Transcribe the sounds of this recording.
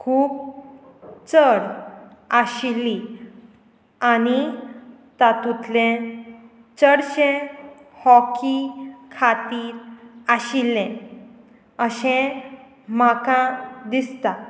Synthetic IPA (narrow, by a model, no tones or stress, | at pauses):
kʰuːb̚ | t͡səɽaɕilːi | ani | t̪at̪ut̪lẽ | t͡səɽɕẽhɔkikʰat̪iːɾaɕilːẽ | əɕẽ | m̤akãd̪ist̪a